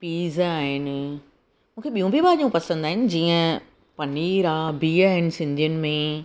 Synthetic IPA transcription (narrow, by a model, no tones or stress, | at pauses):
piːzaːɦɪnɪ | mũːkʰeɓijũbʱiɓaːɲʄũpɐsə̃nd̪aːɦɪnɪ̆d͡ʑiːə̃ | pɐniɾaːbʱiaːɦɪnɪ̆sɪ̃nd̪ʱijənɪ̆mẽ